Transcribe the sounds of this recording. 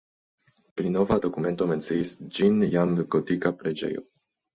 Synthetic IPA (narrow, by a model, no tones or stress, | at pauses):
pɾinovad̪o̞kume̞nt̪ome̞nt̪səisd͡ʒinjamɡot̪ikapɾed͡ʒḛjo̰